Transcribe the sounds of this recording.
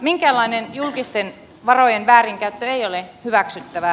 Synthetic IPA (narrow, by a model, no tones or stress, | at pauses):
miŋkæːlːɑinenjulkist̪en | ʋɑrojenʋæːriŋkæyt̪ːøejolehyʋæksyt̪ːæʋæ